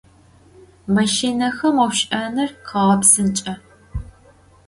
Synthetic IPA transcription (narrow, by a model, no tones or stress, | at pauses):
mɐʃinɐxɐmɐwʃʔɐnɨrqʰɐʁɐpsɨnt͡ʃʼɐ